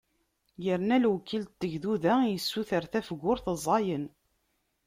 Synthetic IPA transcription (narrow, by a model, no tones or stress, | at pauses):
jəɾnælwkːilt̪ːəʝðuðæjəsːuθəɾθæfəɡʷːʊɾθəzˤɑjən